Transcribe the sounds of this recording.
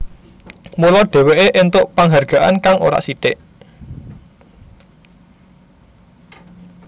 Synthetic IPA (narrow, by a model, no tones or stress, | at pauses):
mulɔɖ̥e̤weʔeʔɪnt̪ʊʔpaŋɦarɡ̥a̤ʔa̰nkaŋo̰ɾa̰ʔsit̪ɪʔ